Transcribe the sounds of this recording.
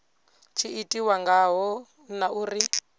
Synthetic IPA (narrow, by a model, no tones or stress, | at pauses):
t͡ʃʰiitʼiwaŋɡaɦɔ | naʔuːri